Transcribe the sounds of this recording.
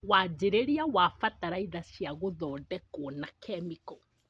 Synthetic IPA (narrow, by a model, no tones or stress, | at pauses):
waːd͡ʑeɾeɾiawaːfataɾaiðasjaɣoðɔːdɛkonakʰɛmikɔ